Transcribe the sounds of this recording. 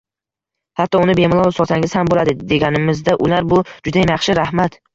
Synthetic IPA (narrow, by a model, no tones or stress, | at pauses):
hat̪ːɒʊnɪbe̞mɪlˠɒwsɒt̪ʰaŋʲɪz̥hambolad̪ɪd̪e̞ɡʲanɪmɪzd̪aʔʊlaɾbʊd͡ʒʊd̪ajamjɑχʃɪɾahmat̪